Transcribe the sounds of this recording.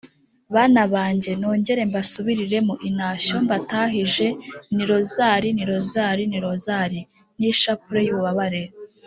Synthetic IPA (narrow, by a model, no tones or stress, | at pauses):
βaːnaβaːɲɟe̞noːɲɟe̞ɾe̞mbasuβiɾiɾe̞muʔinaːʃo̞mbataːɦiʒe̞niɾo̞zaːɾiniɾo̞zaːɾiniɾo̞zaɾi | niʃapuɾejuːβuβaβaɾe